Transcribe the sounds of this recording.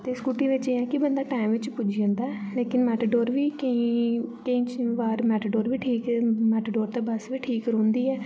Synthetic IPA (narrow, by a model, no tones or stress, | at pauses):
t̪eːskuʈĩːʋɪt͡ʃeːãːkɪbənd̪aːʈaːɪmʋɪt͡ʃpʊd͡ʒd͡ʒãːnd̪aːɛleːkɪnmɛːʈəːɖoːɾʋiːkəĩːkəĩːt͡ʃʋaːɾmɛːʈəɖoːɾʋiːʈʰiːkːmɛːʈːɖoːɾt̪eːbəsʋiːʈʰiːkɾõːnd̪iːɛː